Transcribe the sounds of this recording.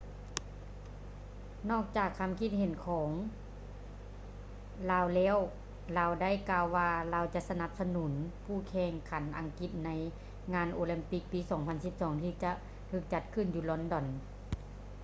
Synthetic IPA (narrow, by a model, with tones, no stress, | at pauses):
nɔː˧˥˩k̚t͡ɕaː˨˩kʰːa˧˨mkʰi˧˥t̪̚ɦe˨˩˦nkʰɔː˩˦ŋ | laː˧˩wlɛː˧˥˨w | laː˧˩wda˥˩˨jkaː˧wːaː˧laː˧wt͡ɕa˧ʔsa˧na˧˦p̚sa˧nuː˩˦npʰuː˧˩kʰɛː˧˩ŋkʰa˨˩˦nʔa̰˧˦ŋki˧˩t̪̚na˧˥j | ŋaː˧˥˨nʔoː˧li˧mpi˧˩k̚piː˧˦sɔː˩˦ŋpʰa˧nsi˧˦p̚sɔː˩˦ŋt̪ʰiː˧˩t͡ɕa˧˦ʔ | t̪ʰɯː˧˩k̚t͡ɕa˧˦t̪̚kʰɯ˧˩˨njuː˧lɔ˧˥ndɔ˧˨n